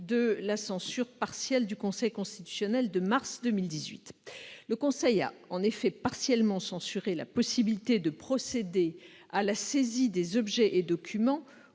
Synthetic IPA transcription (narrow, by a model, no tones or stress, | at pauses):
d̪əlasɑ̃syʁpaʁsjɛld̪ykɔ̃sɛjkɔ̃st̪it̪y̥sjɔnɛld̪əmaʁsd̪əmild̪izɥḭt̪ləkɔ̃sɛja̰ɑ̃nefɛpaʁsjɛlmɑ̃sɑ̃syʁela̰pɔsibilit̪ed̪əpχɔsed̪e | alasezid̪ezɔbʒɛʔed̪ɔkʲʰymɑ̃